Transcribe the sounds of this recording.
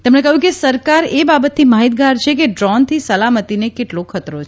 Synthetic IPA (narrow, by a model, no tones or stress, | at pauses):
t̪emɳekəɦjũkesəɾkaɾebabət̪ːimaɦit̪̚ɡaɾt͡ʃʰek̬eɖɾɔnt̪ʰisəlamət̪inekeʈlokʰət̪ɾot͡ʃʰe